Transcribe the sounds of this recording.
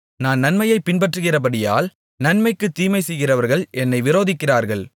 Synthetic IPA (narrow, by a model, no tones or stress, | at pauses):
naːnnɐnmɐjɐɪpːɪnbɐʈrɯɣɪrɐbɐɽɪjaːl | nɐnmɐɪkːɯt̪ːiːmɐɪsɛjɣɪrɐʋɐɾɣɐɭɛnːɐɪʋɪɾoːðɪkːɪraːɾɣɐɭ